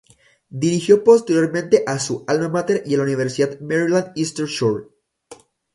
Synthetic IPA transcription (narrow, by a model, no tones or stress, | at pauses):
d̪iɾixjo̞po̞st̪e̞ɾjo̞ɾmẽnt̪e̞ʔasuʔalnamat̪eɾialauniβ̞eɾsiðaðmeɾilãnd̪ist̪eɾʃoɾ